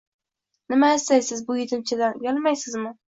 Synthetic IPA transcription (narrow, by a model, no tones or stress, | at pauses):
nɪmaast̪ajsɪzbʊjɪt̪ʰɪmt͡ʃʰad̪anjalˠmajsɪzmɪ